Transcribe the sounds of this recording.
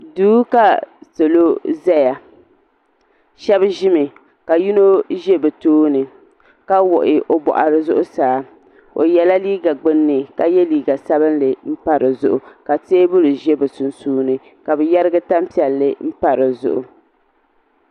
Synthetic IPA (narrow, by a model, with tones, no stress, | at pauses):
duː˦ka˨so˨lo˦za˦ja˨ | ʃɛ˦bʒɪ˦mɨ˨ | ka˨ju˦no˦ʒe˦bɨ˨toː˦nɨ˨ | ka˦wʊ˨ʔɪ˨ʔo˨bɔ̰˨ʔa̰˨ɾɨ˨zʊ˦ʔʊ˦saː˨˦ | o̰˨jɛ˦la˦liː˦ɡa˨ɡ͡bɨ˦nːɨ˨ka˨jɛ˦liː˨ɡa˨sa˦bɨ˦nlɨ˨m̩˦pa˦ɾɨ˨zʊ˦ʔʊ˨ka˨teː˦bʊ˦lɨ˨ʒɛ˦bɨ˨sʊ˨nsuː˦nɨ˨ | ka˨bɛ˨jɛ˦ɾɨ˦ɡɨ˦ta˦m˦pi˦ɛ˨lːɨ˦m̩˦pa˨ɾɨ˨zʊ̰˨ʔʊ̰˨